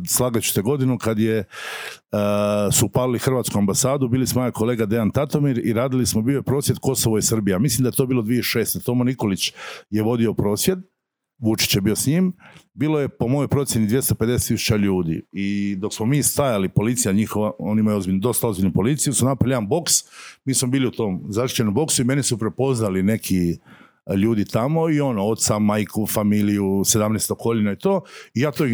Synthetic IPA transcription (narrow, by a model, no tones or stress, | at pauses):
slˠaːɡat͡ɕu̥t̪eɡo̞d̪inukad̪je | supalilixr̩ʋaːt̪skuambasaːd̪ubiːlismojako̞le̞ːɡad̪e̞ant̪at̪o̞miɾiɾaːd̪ilismo̞bijo̞jepɾoːsjed̪̚ko̞soʋoisr̩bijeamislimd̪ajet̪obiːlˠo̞d̪ʋieiʃe̞ːst̪et̪o̞moniko̞lit͡ɕje̞ʋo̞d̪io̞pɾo̞ːsʋje̞d̪ | ʋut͡ʃi̥t͡ɕjebio̞sɲimbiːlˠo̞je̞po̞mo̞jo̞jpɾo̞t̪sjenid̪ʋje̞st̪oped̪eset̪isu̥t͡ɕaʎuːd̪ḭid̪o̞ksmomiːst̪ajalipo̞lit̪sijaɲixoʋao̞nimajɛo̞zbiʎnud̪o̞st̪ao̞zbiʎʲnupo̞lit̪sijusunapɾaʎambo̞ksmiːsmobiːliut̪o̞ːmzaʃi̥t͡ɕenombo̞ksuime̞nisupɾe̞po̞znaline̞kʰi | ʎuːd̪it̪amoio̞noot̪t̪samajkʰufamilijuse̞d̪amneːst̪okoʎinait̪o̞ːijaːt̪o